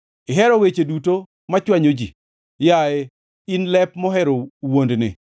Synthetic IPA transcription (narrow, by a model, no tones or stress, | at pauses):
ɪɦɛɾɔwet͡ʃeduto | mat͡ʃwaɲod͡ʒi | jaɛ | inlɛpmɔɦɛɾowondnɪ̰